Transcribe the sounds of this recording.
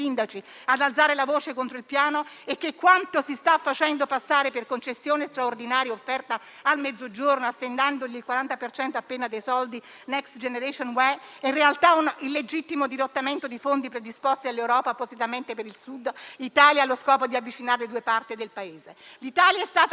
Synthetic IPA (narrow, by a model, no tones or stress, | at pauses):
sind̪at͡ʃiad̪alt̪saːɾelavoːt͡ʃekont̪ɾoilpjaːnoekːekːwant̪osist̪afːat͡ʃɛnd̪opasːaːɾeperkont͡ʃesːjoːnest̪ɾaord̪inaːɾjaofːɛrt̪a | almɛd̪zːod͡ʒornoasːend̪and̪oʎilkwaɾant̪apert͡ʃɛnt̪oapːeːnad̪ejsɔld̪i | nɛkst̪d͡ʒeneɾeʃonwɛinrealt̪aunilːed͡ʒit̪ːimod̪iɾot̪ːament̪od̪ifond̪ipɾed̪ispost̪ialːewɾɔːpapozit̪ament̪epeɾilsud̪lit̪aːljalːoskɔːpod̪iavːit͡ʃinaɾeled̪uːepart̪id̪elpaeːzelit̪aːljaɛst̪aːt̪